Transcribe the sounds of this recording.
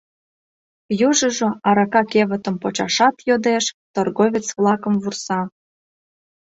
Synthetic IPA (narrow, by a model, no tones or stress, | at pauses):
juʒə̆ʒŏɑɾɑkɑkeβət̪ə̆mpot͡ɕɑʃɑt̪jod̪eʃt̪orɣovʲet͡svlˠɑkəmvursɑ